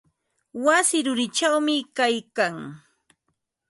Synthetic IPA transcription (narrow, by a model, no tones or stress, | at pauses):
wasɪɾʊɾɪt͡ʃawmɪkajkaŋ